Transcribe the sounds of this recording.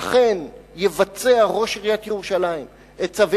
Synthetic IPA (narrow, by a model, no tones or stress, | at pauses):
χe̞njevat͡se̞aʁo̞ʃiʁijat̪jeʁuʃalaim | et͡savi